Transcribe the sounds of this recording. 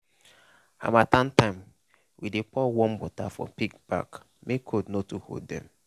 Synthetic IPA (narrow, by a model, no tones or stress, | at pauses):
a̰matan̩tãɪ̃m | widepɔwɔ̃mbɔtafɔ̰pikb̥a̰k | mekʰodnotuho̰ddɛ̰̃m